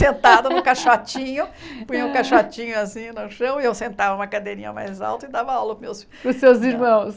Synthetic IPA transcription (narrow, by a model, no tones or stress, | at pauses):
sẽnt̪ad̪ʊnʊ̃kaʃat͡ʃĩɲʊpũĩɐʊ̃kaʃat͡ʃĩɲʊasĩnʊʃɐ̃w̃ɪewsẽnt̪avɐũmɐkad̪eɾĩɲɐ̰ma̰jza̰wt̪ɐɪd̪avɐalɐpmews | pʊsːewziɾmɐ̃w̃s